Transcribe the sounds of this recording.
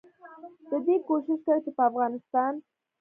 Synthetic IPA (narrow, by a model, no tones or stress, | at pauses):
d̪̥əd̪ikoʃɪʃkəɾt͡ʃepəafɣɑnɪst̪ɑn